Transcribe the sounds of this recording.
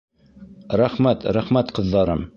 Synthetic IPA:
ɾæχmæt̪ɾæχmæt̪qɤ̆ðːɑɾɤm

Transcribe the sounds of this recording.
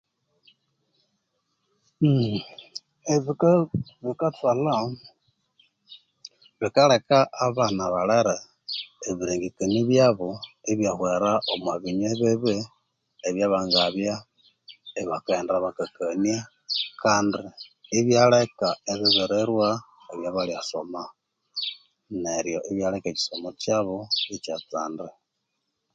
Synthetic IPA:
m̩ | eβikβikatala | βikalekaʔːβanaβaleɾe | eβiɾeːŋɡikaniβjaβoeβjahweɾaʔomwaβiɲeβeβeː | βjaβaːŋɡaβja | eβakeːndeɾaβakakania | kaːndiːβjalekaeβiβeɾeɾwa | eβjaβaliaso̰ma | neɾjo̰ʔiβjalekaci̥somot͡ʃaβoit͡ʃat͡saːnde

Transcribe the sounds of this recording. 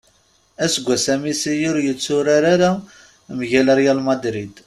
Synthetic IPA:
æsɡʷːæsæmisijʊɾjət͡sːʊɾaɾaɾæ | mʝælæɾjælmɑd̪ɾid̪

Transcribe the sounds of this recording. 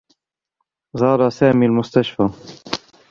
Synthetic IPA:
zˤɑːɾˤɑsaːmiːlmʊst̪aʃfa

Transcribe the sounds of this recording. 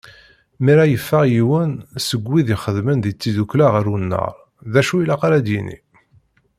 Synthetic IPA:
miɾæjəfːæʁjiwənsəɡʷːiðiχəðmənðit͡sːiduklaʁəɾunːə̰ɾˤ | ðæʃuilaqaɾæd̪jinḭ

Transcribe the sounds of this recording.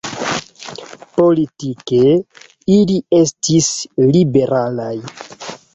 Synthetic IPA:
po̞litike̞ | ilie̞stislibe̞ɾʔalaj

